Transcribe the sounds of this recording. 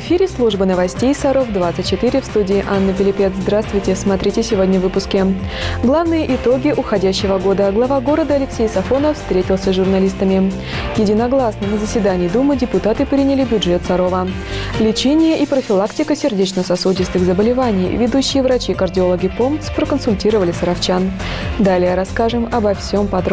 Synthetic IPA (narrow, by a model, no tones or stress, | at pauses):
vɨfʲiɾʲɪslˠuʐbənəvɐsʲtʲejsɐɾo̞vd̪vat̪sɨt̚ʲt͡ɕːɪt̪ɨɾʲɪfst̪udʲɪːʔanːɨpʲɪlʲɪpʲe̞t̪zd̪ɾast̪vʊjtʲɪsmɐt̪ɾʲitʲɪsʲɪvo̞dʲnʲəvːɨpʊskʲɪɡlˠavnɨjəʔɪt̪o̞ɡʲɪʔʊxɐdʲæɕːɪvəɡo̞d̪əɡlˠɐvaɡo̞ɾəd̪əɐlʲɪksʲejsɐfo̞nəffst̪ɾʲetʲɪlˠsʲəʐʊrnɐlʲist̪əmʲɪ | jɪdʲɪnɐɡlˠasnəmɨzəsʲvʲɪd̪anʲɪjd̪umɨdʲɪpʊt̪at̪ɨpɾʲinʲɪlʲɪbʲʊdʐɛt̪sɐɾo̞və | lʲɪt͡ɕenʲɪjəʔipɾəfʲɪlˠaktʲɪkəsʲɪrdʲet͡ɕnəsɐsudʲɪst̪ɨɣzəbəlʲɪvanʲɪjvʲɪd̪uɕːɪjəvɾɐt͡ɕikərdʲɪo̞lˠəɡʲɪpo̞mpt̪spɾəkənsʊlʲtʲiɾəvəlʲɪsəɾɐft͡ɕan | d̪alʲɪjəɾɐskaʐɨmɐbɐfsʲo̞mpɐd̪ɾ